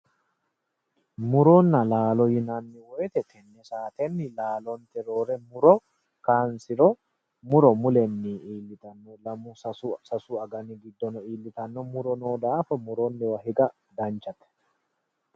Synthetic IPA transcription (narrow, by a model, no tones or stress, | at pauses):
mʊɾɔnːɐlaːlɔjɪnanːɪwɔjɛt̪ɛt̪ʰɛnːɛsaːt̪ɛnːɪlaːlɔnt̪ɛɾo̞ːɾɛmʊɾɔ | kaːnsɪɾɔ | mʊɾɔmʊlɛnːiːiːlːɪt̪ɐnːɔlɐmʊsɐsɐsʊɐɡɐnɪɡɪd̪ːɔnɔiːlːɪt̪ɐnːɔmʊɾɔnoːd̪aːfɐmʊɾonːɪwɐhɪɡɐ | d̪ɐnt͡ʃːɐt̪ɛ̥